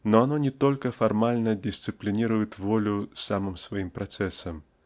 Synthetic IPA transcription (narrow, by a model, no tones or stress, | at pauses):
noɐnonʲɪt̪olʲkəfɐrmalʲnədʲɪsʲt̪sɨplʲɪnʲiɾʊjɪt̪volʲʊsamɨmsvɐimpɾɐt̪sɛsəm